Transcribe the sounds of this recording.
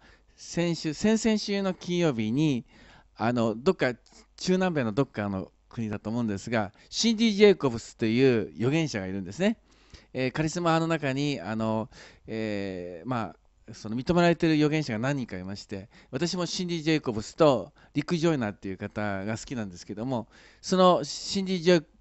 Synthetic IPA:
sẽ̞ɰ̃ɕɨsẽ̞ɰ̃sẽɰ̃ɕɨːno̞kʲĩɰ̃jo̞ːbʲiɲ̟i | ano̞d̪o̞kːa | t͡ɕɨːnãmbe̞ːno̞d̪o̞kːano̞̰ | kɯ̟ɲ̟id̪at̪o̞ːmo̞ɯ̟̃nd̪e̞sɨɡa | ɕĩnd̪ʲiːʑe̞ko̞bɯ̟sɨ̥t̪ːe̞jɯ̟ːjo̞ɡẽ̞ɰ̃ɕaɡaiɾɯ̟̃nd̪e̞sɨne̞ | ekaɾʲisɨmano̞nakaɲ̟ia̰no̞eːma | sono̞mʲit̪o̞me̞ɾaɾe̞t̪e̞ɾɯ̟jo̞ɡẽ̞ɰ̃ɕaɡanãɲ̟ːĩŋkaːɾimaɕi̥t̪e̞ | βat̪aɕ̬imo̞ɕĩnd̪ʲiʑeko̞bɯ̟sɨ̥t̪o̞ | ɾʲikɯ̟ʑo̞inat̪ːe̞jɯ̟kat̪aɡasɨ̥kʲinãnd̪esɨ̥ke̞d̪o̞mo̞ | so̞no̞ɕĩnd̪ʲiʑe

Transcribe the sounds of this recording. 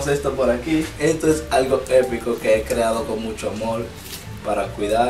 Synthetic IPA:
se̞st̪opoɾakie̞st̪oesalɣo̞e̞piko̞ke̞ekɾe̞aðo̞ko̞nmut͡ʃoamo̞ɾ | paɾakwiða

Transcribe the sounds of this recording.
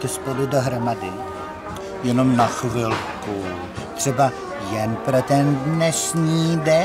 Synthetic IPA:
t̪ɛspoludoɦɾomadɪ | jɛno̞mnaxvɪlku | t̪r̥ɛba | jɛnpɾot̪ɛndnɛʃɲiːdɛ

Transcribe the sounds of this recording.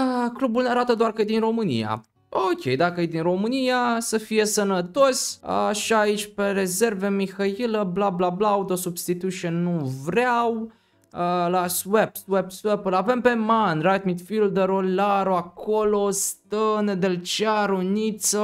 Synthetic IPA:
əklubulneaɾat̪əd̪oarkəjed̪inro̞mɨnḭja̰ | okʲʰḛjd̪akəjed̪inro̞mɨnijasəfije̞sənət̪o̞sʲəʃiait͡ʃʲpe̞ɾe̞ze̞rve̞mixailəblablablawt̪osubst̪it̪uʃonːuvɾaw | əlaswebswebswepulave̞mpe̞manrad̪mit̪fild̪eɾolaɾoakʰolo̞st̪əned̪elt͡ʃaɾunit̪sə

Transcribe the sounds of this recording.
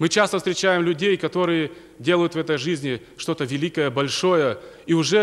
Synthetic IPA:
mɨt͡ɕast̪əfst̪ɾʲɪt͡ɕæjɪmlʲʉdʲejkɐt̪o̞ɾɨjə | dʲe̞ləjʊt̪vɛt̪əjʐɨzʲnʲɪ | ʂt̪o̞t̪əvʲɪlʲikəjəbɐlʲʂo̞jəiʊʐɛ

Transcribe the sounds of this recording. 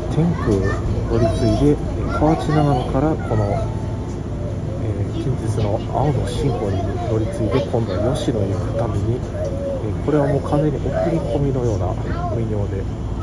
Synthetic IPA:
t̪ʰẽ̞ŋpɯ̟o̞ɾʲit͡sɨid̪e̞ | kʰaot͡ɕinaɡanokaɾako̞no̞ | eːkʲĩɲ̟d͡ʑɨt͡sɨno | a̰ono̞ɕĩŋko̞ːɲ̟it̪oɾʲit͡sɨit̪e̞kʰõ̞nd̪o̞βajo̞ɕino̞ikɯ̟̥t̪ameɲ̟i | ko̞ɾe̞βamo̞ːkʰãnd͡zeɲ̟iʔo̞kɯ̟ɾʲiko̞mʲino̞jo̞ːna̰ | mʲiɲʲo̞ːd̪e̞

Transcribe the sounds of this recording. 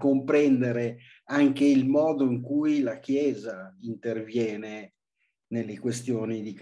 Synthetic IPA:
kompɾɛnd̪eɾe | aŋkeilmɔːd̪oiŋkujlak̟jɛːzaint̪ervjɛːne | nelːekwest̪joːnid̪ik

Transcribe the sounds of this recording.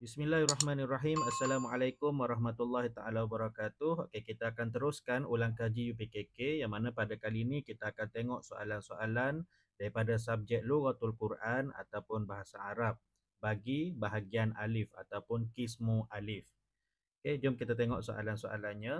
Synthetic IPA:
bismilaɦarɑɦmãnaraɦimasːalamalajkʊmwaɾɑɦmat̪ulːahit̪aʔalawabəɾakat̪ʊho̰kekit̪aːkant̪əɾʊskanulaŋkad͡ʒijupekekejaŋmanãpadakaliːnĩkit̪aːkant̪eŋɔʔsoʔa̰lansoʔalan | d̥aɾipadas̬ap̚d͡ʒɛk̚luɣat̪ulkuɾʔana̰t̪awpʊnbaɦasaaɾap̚ | baɡibaɦaɡiana̰lɪfa̰t̪awpʊnkismuʔalɪf | oked͡ʒʊmkit̪at̪eŋɔ̰ʔsoʔa̰lansoʔa̰lanɲã

